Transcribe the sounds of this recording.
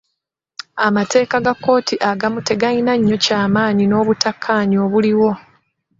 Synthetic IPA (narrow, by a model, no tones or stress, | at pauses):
amate̞ːkaɡakːo̞ːtʰiʔaɡamute̞ɡainaɲːo̞caːmaːnino̞ːβutakʰːaːɲio̞ːβuliwo̞